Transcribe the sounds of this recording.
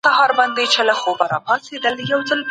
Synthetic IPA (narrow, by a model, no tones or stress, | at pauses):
ahɑɾband̪et͡ʃelaxobaɾɑ̰pɑsed̪əljawd͡zəlp